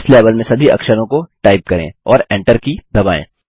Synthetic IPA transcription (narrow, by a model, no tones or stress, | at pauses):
sleːʋəlmẽsɐbʱiɐ̰kʃəɾõkoʈaːɪp̚kɐɾḛ̃ɔːɾɛ̃ːɳʈəɾkid̪ɐbaːḛ̃ː